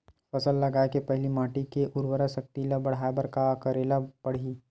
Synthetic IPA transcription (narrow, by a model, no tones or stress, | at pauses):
fɐsəlːɐɡaːekepɛɦlimãːʈikeʔʊɾwəɾasɐk̚t̪ilabɐɽ̤aːebɐɾkakɐɾeːlapɐɽ̤iː